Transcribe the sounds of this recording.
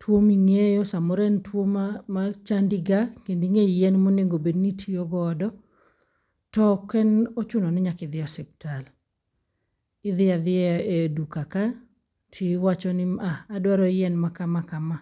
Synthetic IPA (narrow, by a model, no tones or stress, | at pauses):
twomiŋejɔsamɔɾɛntwomamat͡ʃandɪɡakendiŋeijɛnmoneŋɡobednitʰiɔɡɔdɔ | tɔkɛnɔt͡ʃunɔnɪɲakɪd̪ɪɔsɛp̚tal | ɪðɪaðɪedukaka | tʰiwat͡ʃɔnɪaadwaɾɔjɛnmakamakama